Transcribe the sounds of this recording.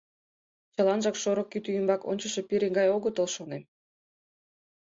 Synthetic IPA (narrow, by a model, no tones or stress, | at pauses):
t͡ɕɑlˠɑnʒɑkʃoɾŏkːyt̪yjəmbɑko̰nʲt͡ɕə̆ʃĕpiɾeŋɡɑjoɣə̆t̪olʃonem